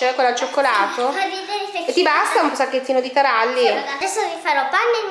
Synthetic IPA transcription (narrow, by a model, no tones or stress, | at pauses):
t͡ʃɛɛkːelːat͡ʃːokːolaːt̪oid̪eɾet̪ːibast̪aunsakːet̪ːiːnod̪it̪aɾalːiad̪ɛsːovifaɾɔpːanːe